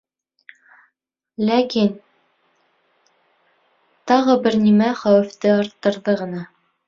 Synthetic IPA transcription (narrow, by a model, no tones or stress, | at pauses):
lækin | t̪ɑʁɤbɘɾnimæχæwɘ̆ft̪ɘɤ̆ɾt̪ːɤ̆ɾðɤʁɤ̆nɑ